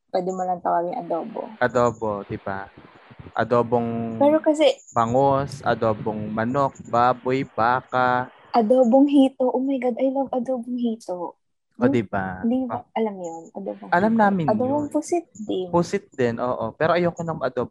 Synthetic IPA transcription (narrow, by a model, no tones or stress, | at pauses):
pwɛːd̪ɪmɐlɐnp̪ɐkɐmɪŋʔɐd̪oːbo̰ʔɐd̪oːbod̪ɪba | ʔɐ̰d̪oːboŋpɛːɾokɐsɛbɐŋosʔɐ̰d̪oːboŋmɐnok̚baːbojbaːka | ʔɐd̪oːboŋɦiːt̪oʔʊmɐjɡɐd̪ʔɐjloŋʔɐd̪oːboŋɦiːt̪o | ʔod̪ɪbad̪iʔɐlamjonʔɐd̪oːboŋʔɐlamnaːmɪnɐd̪oboŋpʊsɪt̪̚d̪ɛnpʊsɪt̪̚d̪ɛnʔo̰ːʔopɛːɾoʔɐjokonɐŋmʔɐd̪ob